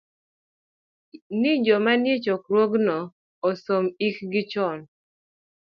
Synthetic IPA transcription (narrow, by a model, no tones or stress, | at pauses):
nɪd͡ʒɔmanjet͡ʃokɾwoɡnɔ | ɔsomikɡɪt͡ʃɔn